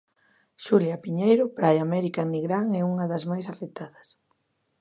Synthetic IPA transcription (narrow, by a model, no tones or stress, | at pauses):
ʃuljapiɲejɾʊpɾajamɛɾikaniɣɾaŋɛuŋɐðɐzmajsafet̪aðɐs